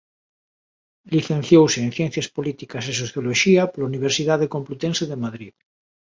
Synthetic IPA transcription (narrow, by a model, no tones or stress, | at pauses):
liθẽn̟θjowseːnθjẽn̟θjaspolit̪ikases̬oθjoloʃiapolauniβ̞eɾsiðaðekomplut̪enseðemaðɾið